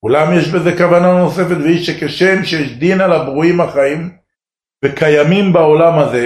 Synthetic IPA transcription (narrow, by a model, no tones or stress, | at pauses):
ulamjeʃbe̞ze̞kavanano̞se̞fe̞t̪veiʃekeʃemʃejeʃd̪inalabʁuimhaχaim | vekajamimbao̞lamaze